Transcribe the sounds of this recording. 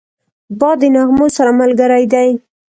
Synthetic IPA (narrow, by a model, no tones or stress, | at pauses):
bɑd̪enɑɣmosaɾamalɡəɾajd̪aj